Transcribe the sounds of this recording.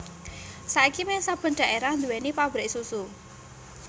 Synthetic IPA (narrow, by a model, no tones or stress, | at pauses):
saikimɛsab̥ə̤nɖ̥a̤ʔeɾahnd̪uwenipabɾeʔsusu